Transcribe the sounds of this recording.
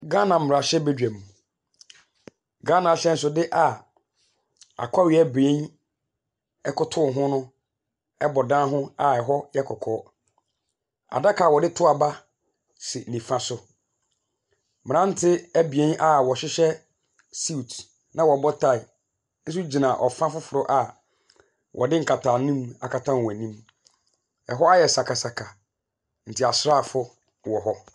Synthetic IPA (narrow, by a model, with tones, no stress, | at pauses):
ɡa˦nã˨m̩ː˦mɪ˨ɾa˨ɕɛ˦be˦d͡ʑᶣæ˨mũ˨ | ɡa˦nã˨ɕɛ˦n̩˦s̬ʊ˦dɪ˦ʔa˨ | a̰˨kʷʰa˦ɥɪ˨˦˨æ˦˨be˦n | ɛ˦kʰʊ˦tʰʊ˦˨ɦʊ̃˦nʊ̃˦ | ɛ˦bɔ˨dã˦ɦʊ̃˦a˨ɛ˨ɦɔ˦jɛ˦kʰɔ˨kʰɔː˦ | a̰˨da˦kʰaː˨wɔ˨dɪ˦tʰʊ˦a˨ba˦ | sɪ˨nĩ˨fã˨sʊ˨ | mɪ̃˨nã˦n̩˦tʰɪ˦æ˦bi˨ẽ˦nʔa˨wɔ˨ɕɪ˦ɕɛ˦ | si˦u˨t | nã˦wɔ˨bɔ˦tʰa˦˨ɪ˨ | n̩˦s̬ʊ˦d͡ʑi˨nã˨ʔɔ̰˨fã˦fʊ˦fʊ˨ɾʊ˦ʔa˨ | wʔɔ̰˨dɪ˦ŋ̩˨kʰa˨tʰa˨nĩ˦ma̰˨kʰa˨tʰã˦n˨wɔ˨æ˨nĩ˦m | ɛ˨ɦɔ˦a˦jɛ˨sa˨kʰa˨sa˨kʰa˨ | n̩˨tʰi˨a˨sɾa˦˨fʊ˦ | wɔ˨ɦɔ˦